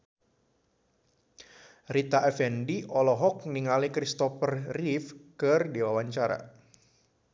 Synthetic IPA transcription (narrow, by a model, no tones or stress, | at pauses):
rit̪aʔɛfɛndiʔɔlɔɦɔk̚niŋalikɾist̪ɔfərrifkɨrdiwawaɲt͡ʃaɾa̰